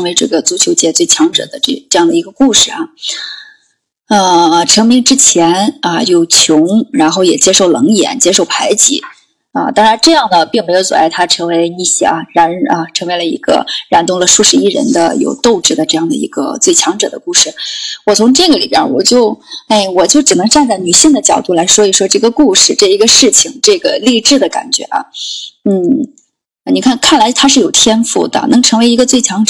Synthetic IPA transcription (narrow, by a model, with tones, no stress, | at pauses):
ɤ˥ŋwe˧˥ɪʈ͡ʂɤ˥˩ɡə˩t͡su˧˥t͡ɕʰjo˧˥ʊt͡ɕjɛ˥t͡swe˥˩ɪt͡ɕʰjɑ˧˥ŋʈ͡ʂɤ̰˨˩d̪ə˦ʈ͡ʂʈ͡ʂɤ˥˧jɑ˥˩ŋd̪ə˩i˧˥ɡə˧ku˥˧ʂɻ̩˥˩ɐ˩ | ə˥˧ʈ͡ʂʰɤ˧˥ŋmi˥ŋʈ͡ʂɻ̩˥t͡ɕʰjɛ˧˥nə˧jo˥˩ʊt͡ɕʰjʊ˧˥ŋɻa˧˥nxo˥˩ʊjɛ˨˩t͡ɕjɛ˥ʂo˥˩ʊlɤ˧˥ŋjɛ̰˧˥nt͡ɕjɛ˥ʂo˥˩ʊpʰa˧˥ɪt͡ɕḭ˧˥ | ə̰˧t̪ɑ˥ŋɻa˧˥nʈ͡ʂɤ˥˧jɑ˥˩ŋd̪ə˩pi˥˩˧ŋme˧˥ɪjo˧˥ʊswɔ̰˨˩a˥˩ɪt̪ʰa˥ʈ͡ʂʰɤ˧˥ŋwe˧˥ɪni˥˧˩ɕɛ̰˥˩ɐ˧˩ɻa˧˥nə˧ʈ͡ʂʰɤ˧˥ŋwe˧˥ɪlə˧˩ḭ˧˥ɡə̰˧ɻa˧˥nt̪ʊ˥ŋlə˨ʂu˥˩ʂɻ̩˧˥i˥˩ɻə̰˧˥nd̪ə̰˧jo̰˨˩ʊt̪o˥˧ʊʈ͡ʂɻ̩˥˩d̪ə˩ʈ͡ʂɤ˥˧jɑ˥˩ŋd̪ə̰˩ḭ˧˥ɡə̰˧t͡swe˥˩ɪt͡ɕʰjɑ˧˥ŋʈ͡ʂɤ̰˨˩d̪ə̰˦ku˥˧ʂɻ̩˥˩wɔ˨˩t͡sʰʊ˧˥ŋʈ͡ʂɤ˥˩ɡə˩lḭ˨˩bjɛ̰˧˥wɔ̰˨˩t͡ɕjo˥˩ʊe˥˩ɪwɔ˨˩t͡ɕjo˥˩ʊʈ͡ʂɻ̩˨˩nə˧˥ŋʈ͡ʂa˥˧nt͡sa˥˩ɪny˨˩ɕi˥˩ŋd̪ə˩t͡ɕjɑ˨˩ʊt̪u˥˩la˧˥ɪʂwɔ˥i˨˩ʂwɔ˥ʈ͡ʂɤ˥˩ɡə˩ku˥˧ʂɻ̩˥˧ʈ͡ʂɤ˥˩i˧˥ɡə˧ʂɻ̩˥˩t͡ɕʰi˨˩ŋʈ͡ʂɤ˥˩ɡə˩li˥˧ʈ͡ʂɻ̩˥˩d̪ə˩ka̰˨˩nt͡ɕɥɛ̰˧˥ʔɐ̰˧n̩˥˩ | ni˨˩kʰa˥˧nkʰa˥˩nla˧˥ɪt̪ʰa˥ʂɻ̩˥˩jo˨˩ʊt̪ʰjɛ˥nfṵ˥˩d̪ə̰˩nɤ˧˥ŋʈ͡ʂʰɤ˧˥ŋwe˧˥ɪi˧˥ɡə˧t͡swe˥˩ɪt͡ɕʰjɑ˧˥ŋʈ͡ʂ